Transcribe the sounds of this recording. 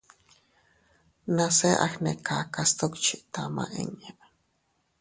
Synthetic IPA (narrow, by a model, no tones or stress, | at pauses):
naseʔaxnekʰakast̪okt͡ʃʰiʔt̪ama̰ʔeɲeʔ